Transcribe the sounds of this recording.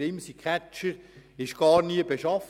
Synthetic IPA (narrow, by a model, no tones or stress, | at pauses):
ɪmsikʰχæt͡ʃəɾɪʃɡ̥ɑːɾniəbeʃɑf